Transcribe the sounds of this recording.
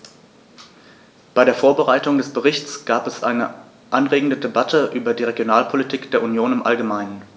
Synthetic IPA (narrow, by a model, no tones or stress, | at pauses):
b̥aɪɾeːɐfoːɐbəʁaɪtʊŋdɛsb̥əʁɪçt͡sɡ̥aːpɛsʔa̰ɪnə̰ | ʔanʁeːɡŋ̩dədebatʰəʔyːbɐdiːʁeɡjonaːlpʰolitʰiːkd̥eːɐʔunjoːnɪmʔa̰lɡəmaɪnən